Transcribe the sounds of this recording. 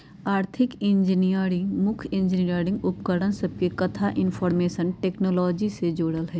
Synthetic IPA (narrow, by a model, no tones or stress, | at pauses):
aːɾt̪ʰɪkɪ̃nd͡ʒɪnijəɾɪ̃ŋɡmʊkʰɪ̃ɲd͡ʒɪnijəɾɪ̃ŋɡʊpkəɽənsɐb̚kekɐt̪ʰaʔɪnfʰɔːɾmeːʃənʈeːknoːlɔːd͡ʒised͡ʒoːɽəlɦɛː